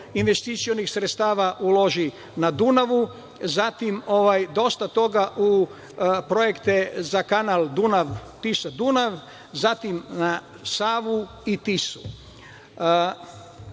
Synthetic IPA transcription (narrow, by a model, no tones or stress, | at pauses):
inʋe̞st̪it̪sijo̞nixsɾet̪st̪aːʋaʔuloʒi | nad̪unaʋu | zat̪imo̞ʋajd̪o̞st̪at̪o̞ɡaʔu | pɾo̞jekt̪ezakanald̪unaʋt̪isad̪unaʋ | zat̪imna | saːʋu | it̪isu̥